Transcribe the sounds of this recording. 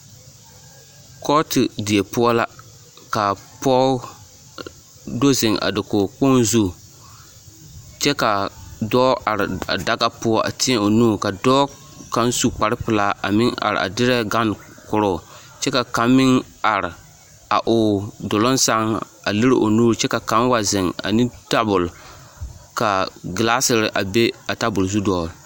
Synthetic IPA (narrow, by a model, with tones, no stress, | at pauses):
kʰɔ˦tɪ˨dɪ˨ɛ˨pʊ˦ɔ˦la˦ | ka˨pɔ˦ | do˦zɪ˨ŋʔa̰˨dɪ˨kʊ˨k͡po˦nzu˦ | t͡ʃɛ˦ka˨dɔː˦ʔa˨ɾɪ˨a̰˨da˦ɡa˦pʊ˦ɔ˦ʔa̰˨tɪ˦ɛ˦o˨nuː˦˨ka˨dɔː˦ | ka˦nsu˦k͡pa˨ɾɪ˦pɪ˨laː˦a̰˨mɪ˦ŋa̰˨ɾɪ̰˨a̰˨dɪ˦ɾɛ˦ɡa˦n˨kʊ˨ɾʊ˦˨ | t͡ʃɛ˦ka˨ka˦mːɪ˦ŋ | a˨ɾɪ˨ | a˨ʔʊ˨dʊ˨lɔ˦nsa˦ŋ | a̰˨lɨ˦ɾɪ˦ʔo˨nuː˦ɾt͡ʃɛ˦ka˨ka˨˦m˦wa˨zɪ˨ŋa̰˨nɪ˦da˦bʊ˨l | ka˨ɡɪ˨laː˦sɪ˨ɾɪ˨ʔa˨be˦a˨ta˦bʊ˨lzu˦dɔː˦˨